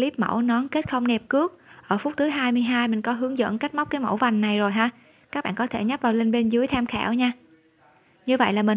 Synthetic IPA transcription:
li˦˥p̚mə̰˧˩wnɔ˨˦nke˦˥t̚xə˧wŋ͡mnɛ˨˩p̚kɨ˦˥ək̚ʔəː˧˩fu˦˥t̚t̪ʰɨ˨˦jɦaː˧jmɨ˧əjɦaː˧jmï˨˩ŋ̟kɔ˨˦ɦɨ˨˦əŋzə̰˧˥nka˦˥k̟̚ma˦˥k͡p̚kaː˨˦jmo̰˧˩wva˨˩jŋ̟na˨˩jzo˨˩jɦaː˧ | kaː˦˥k̚ɓa̰ː˧˨kɔ˨˦t̪ʰe˧˩ɲa˦˥p̚vaː˨˩wle˧nɓe˧nzɨ˨˦əjt̪ʰɛ˧mxɛ̰ː˧˩wɲaː˧ | ɲɨ˧və̰˧˨jlaː˨˩mï˨˩

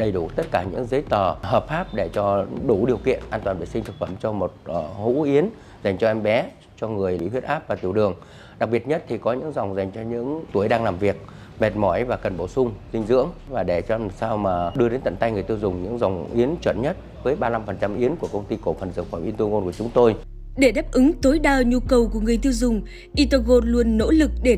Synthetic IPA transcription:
ɗə˨˩jɗu˧˩t̪ə˦˥t̚kaː˧˩ɲɨ̰˧˥ŋzə˨˦jt̪əː˨˩həː˨˩p̚faː˦˥p̚ɗe˧˩t͡ɕɔ˧ɗu˧˩ɗi˨˩əwkḭ˧˨ənʔaː˧nt̪waː˨˩nvḭ˨˧˩sï˧ŋ̟t̪ʰɨ˨˩k̚fə˧˩mt͡ɕɔ˧mo˨˩t̚ʔːhṵ˧˥ʔi˨˦ən | za˨˩jŋ̟t͡ɕɔ˧ʔɛ˧mɓɛ˨˦ | t͡ɕɔ˧ŋɨ˨˩əjlḭ˧˥t̪h̪ʰwi˦˥tʔaː˦˥p̚vaː˨˩t̪i˧˩əwɗɨ˨˩əŋ | ɗa˨˩k̚ɓi˨˩ət̚ɲə˦˥t̚t̪ʰi˨˩kɔ˨˦ɲɨ̰˧˥ŋza˨˩wŋ͡mza˨˩jŋ̟t͡ɕɔ˧ɲɨ̰˧˥ŋt̪u˧˩əjɗaː˧ŋlaː˨˩mvi˨˩ək̚ | mɛ˨˩t̚mɔ˧˩jvaː˨˩kə˨˩nɓo˧˩sʊ˧ŋ͡mzï˧ŋ̟zɨ̰˧˥əŋvaː˨˩ɗe˧˩t͡ɕɔ˧saː˧wmaː˨˩ɗɨ˧əɗe˨˦nt̪ə̰˧˨nt̪a˧jŋɨ˨˩əjt̪i˧wzʊ˨˩ŋ͡mɲɨ̰˧˥ŋza˨˩wŋ͡mʔi˨˦ənt͡ɕwə̰˧˩n̚ɲə˦˥t̚ | vəː˨˦jɓaː˧la˧mfə˨˩nt͡ɕa˧mʔi˨˦ənku˧˩əkə˧wŋ͡mt̪i˧ko˧˩fə˨˩nzɨ̰˧˨˩kfwaː˧˩mʔi˧nt̪u˧ŋo˧nku˧˩ət͡ɕʊ˨˦ŋ͡mt̪o˧j | ɗe˧˩ɗaː˦˥p̚ʔɨ˨˦ŋt̪o˨˦jɗaː˧˩ɲu˧kə˨˩wku˧˩əŋɨ˨˩əjt̪i˧wzʊ˨˩ŋ͡m | ʔi˧t̪ə˧ɣo˨˩t̚lu˧ənːo̰˧˥lɨ˨˩k̚ɗe˧˩

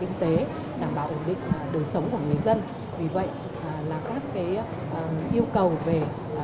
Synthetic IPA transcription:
kï˧ŋ̟t̪e˨˦ | ɗaː˧˩mɓaː˧˨˩wʔo˧˩nɗḭ̈˧˨ŋ̟˩ɗəː˨˩jsə˨˦wŋ͡mku˧˩əŋɨ˨˩əjzə˧n | vi˨˩və̰˧˨jʔ | laː˨˩kaː˦˥kːaː˨˦j | ʔʔi˧əwkə˨˩wve˨˩

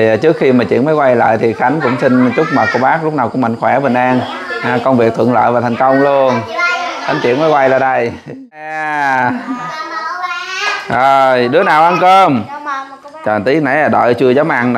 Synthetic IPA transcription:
t͡ɕɨ˦˥ək̚xi˧maː˨˩t͡ɕḭ˧˥ənmə˨˦jkwa˧jlə̰ː˧˨jt̪ʰi˨˩xa˨˦jŋ̟kʊ̰˧˥ŋ͡msi˧n̟t͡ɕʊ˦˥k͡p̚maː˨˩ko˧ɓaː˦˥k̚lʊ˦˥k͡p̚naː˨˩kʊ˧˥˦mə̰˧˨ŋxwɛ˧˩ɓe˨˩nʔaː˧nʔaː˨˧˩kə˧wŋ͡mvi˨˩k̚t̪ʰɨ̰˧˨ələ̰ː˧˨jvaː˨˩t̪ʰa˨˩jŋ̟kə˧wŋ͡mlu˧ənxa˨˦ŋ̟t͡ɕḭ˧˨ənmə˨˦jkwa˧jlaː˨˩ɗə˧˩j | ʔaː˨˩ | əː˨˩jɗɨ˨˦ənaː˨˩wʔa˧nkəː˧m | t͡ɕə˨˩nt̪i˦˥ək̚na˧˩jaː˨˩ɗə̰ː˧˨jt͡ɕɨ˧əzəː˨˦wmʔa̰ː˧˨ŋ

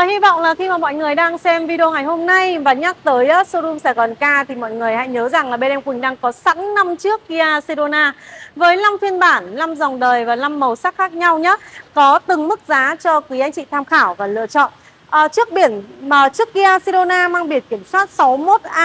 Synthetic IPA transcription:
əː˨˩hi˧vɔ̰˧˨wŋ͡mlaː˨˩xi˧maː˨˩mɔ̰˧˨jŋɨ˨˩əjɗaː˧ŋsɛ˧mvi˧ɗo˧ŋa˨˩jɦo˧mna˧jvaː˨˩ɲa˦˥k̚t̪əː˨˦jʔaː˨˦so˧ɗu˧msɛ̰˧˥˩kɔ˨˩nkaː˧t̪ʰi˨˩mɔ̰˧˨jŋɨ˨˩əjha̰˧˨jɲəː˨˦za˨˩ŋlaː˨˩ɓe˧nʔɛ˧mkwï˨˩ŋ̟ɗaː˧ŋkɔ˨˦sa˧˦˥ŋna˧mt͡ɕɨ˦˥ək̚ːi˧aː˧si˧ɗo˧naː˧vəː˨˦jla˧mfi˧ənɓaː˧˩nla˧mza˨˩wŋ͡mɗəː˨˩jvaː˨˩la˧mːə˨˩wsa˦˥k̚xaː˦˥k̚ɲa˧wɲə˦˥kɔ˨˦t̪ɨ˨˩ŋmɨ˦˥k̚zaː˨˦t͡ɕɔ˧kwi˨˦ʔa˧jŋ̟t͡ɕḭ˧˨t̪ʰaː˧mxaː˧˩wva˨˩lɨ̰˧˨ət͡ɕɔ̰˧˨n | ʔəː˨˩t͡ɕɨ˦˥ək̚ɓi˧˩ənməː˨˩t͡ɕɨ˦˥ək̚ːi˧ʔaː˧si˧ɗo˧naː˧maː˧ŋɓi˧˩ənki˧˩əmswaː˦˥t̚sa˨˦wmo˦˥t̚ʔaː˧

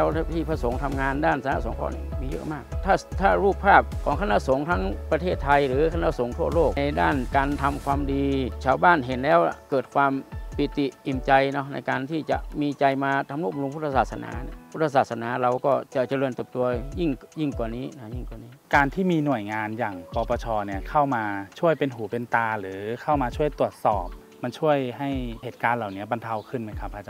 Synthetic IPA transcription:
ɛ˦˥wt̪ʰiː˥˩pʰa˧so˩˦ŋt̪ʰa˧mŋaː˧ndaː˥˩nsa˧˦na̰˧˥so˨˩˦ŋkʰɔ̰ː˧˩ni˧˩miː˧jɤ̰˦˥maː˥˩k̚t̪ʰaː˥˩t̪ʰaː˥˩ɾuː˥˩p̚ʰːaː˥˩p̚kʰɔː˩˦ŋkʰa˧na˧˥so˩˦ŋt̪ʰa˦˥ŋpɾa˧t̪ʰeː˥˩t̪ʰːa˧jɾɯː˩˦kʰa˧na˧˥˩so˩˦ŋt̪ʰu˥˩ɐloː˥˩k̚jda̰ː˥˩nkaː˧nt̪ʰa˧mkʰwaː˧mdiː˧t͡ɕʰaː˧˥˩wbaː˥˩nɦe˨˩˦nlɛː˦˥wa̰˧˩kɤː˨˩t̪̚kʰwaː˧mpi˨˩t̪i˨˩ʔi˨˩mt͡ɕa˧jnɔ˦˥na̰˧jkaː˧nt̪ʰiː˥˩t͡ɕa̰˨˩ʔmiː˧t͡ɕa˧jmaː˧t̪ʰa˧mlu˥˩p̚m̚lo˧pʰu˥t̪ʰa˧saː˨˩sa˧na̰ː˨˦pʰuː˥˩t̪̚ʰːa˧saː˨˩sa˧naː˨˦ɾa˧wkɔː˥˩t͡ɕa˨˧˩t͡ɕa˧lɤː˧nt̪ɤː˨˩p̚t̪u˧ɐji˥˩ŋji˥˩ŋku˨˩əniː˦˥na˦˥˩ji˥˩ŋku˨˩niː˦˥kaː˧nt̪ʰiː˥˩miː˧nu˨˩əjŋaː˧njaː˨˩ŋpɔː˧pɔː˧t͡ɕʰɔː˧ni˧˥˩ɐkʰa˥˩wmaː˧t͡ɕʰu˥˩əjpe˧nɦuː˨˦pe˧nt̪aː˧ɾɯː˩˦kʰa˥˩wmaː˧t͡ɕʰu˥˩əjt̪u˨˩ət̪̚sɔː˨˩p̚ | ma˧nt͡ɕʰu˥˩əjɦa˥˩jheː˨˩t̪̚kaː˧nla˨˩wni˦˥ɐba˧nt̪ʰa˧wkʰɯ˥˩nma˦˥˩jkʰa˦pʰːaː˧t͡ɕa˧˩

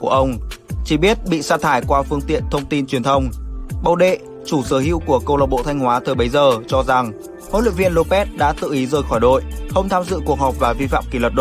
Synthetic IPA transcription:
ku˧˩əʔə˧wŋ͡mt͡ɕi˧˩ɓi˦˥ət̚ɓḭ˧˨saː˧t̪ʰaː˧˩jkwaː˧fɨ˧əŋt̪ḭ˧˨ənt̪ʰə˧wŋ͡mt̪i˧nt͡ɕwi˨˩ənt̪ʰə˧wŋ͡mɓə˧˩wɗḛ˧˨ | t͡ɕu˧˩səː˨˦hḭ˧˨wku˧˩əkə˧wləː˨˩t̚ɓo̰˧˨t̪ʰa˧jŋ̟hwaː˨˦t̪ʰəː˨˩jɓə˨˦jzəː˨˩t͡ɕɔ˧za˨˩ŋ | ho̰˧˥lḭ˧˨ŋvḭ˧ənlo˧pɛ˦˥t̚ɗa̰ː˧˥t̪ɨ̰˧˨ʔi˨˦zəː˨˩jxɔ˧˩jɗo̰˧˨jxə˧wŋ͡mt̪ʰaː˧mzɨ̰˧˨ku˨˩ək̚ɦɔ˨˩p̚vaː˨˩vi˧fa̰ː˧˨mki˧˩lwə˨˩t̚ɗo˧˨

